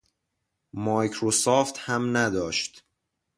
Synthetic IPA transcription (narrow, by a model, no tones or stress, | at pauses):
mɒːjkʰɾosɒːft̪hæmnæd̪ɒːʃt̪